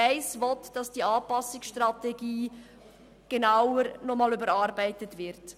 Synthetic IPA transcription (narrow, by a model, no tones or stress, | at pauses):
aɪsvɔtd̥ɑsd̥iːʔɑːpɑsɪksʃtʁɑteɡiː | ɡ̥enaʊəɾnɔmɑːlybəɾɑɾbaɪtətvɪɾt